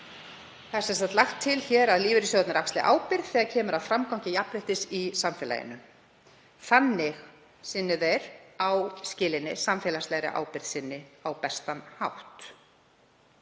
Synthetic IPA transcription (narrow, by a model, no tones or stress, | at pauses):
θasɛnst̪at̪laxt̪ʰːɪlçɛːɾaðliːvɪɾisɔt̪nɪɾakst̪lɪ̰ʔa̰ːwpɪɾðθɛːɣacʰɛːmʏɾaðfɾamkawŋ̥cɪjapɾɪht̪ɪsisamfɛːla̰jɪ̰nʏm | θanːɪɣ | sɪnːɪðɛjɾawscɪːlɪnːɪ̰samfɛːlaslɛɣɾɪ̰ʔa̰ːwpɪɾð̥sɪnːɪawpɛst̪anhawht̪